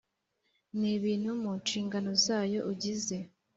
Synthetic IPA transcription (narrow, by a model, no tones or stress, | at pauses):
niβiːnhumunt͡ʃiːŋɡano̞zaːjo̞ʔuɟize̞